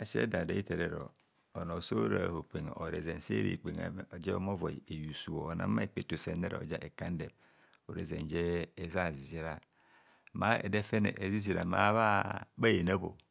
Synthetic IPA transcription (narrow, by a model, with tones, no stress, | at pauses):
a˨sḛ˦da˨da̰˨˦i˦te˨ɾe˨ɾo̰˨ | o˨no˨so˦ɾa˨ho˨k͡pe˨ŋ˨ʔo˨ɾḛ˨ze˨n˨se˦ɾḭ˨k͡pe˨ŋa̰˨o˨d͡ʒe˦o˦mo˦vo˨e˨ju˨su˨wo˨o˨na̰˦ma˦e˨k͡pe˨to˨se˨ne˦ɾo̰˨d͡ʒa˦ʔe˨ka˦n˦de˨m | o˨ɾe˨ze˨nd͡ʒeː˦˨za˦˨zi˨zi˦ɾa˦ | ma˦ḛ˨de˦fe˦nḛ˨ʔe˨zi˦zi˨ɾa̰˨ma˦βa˦ba˦je˨na˦bo˨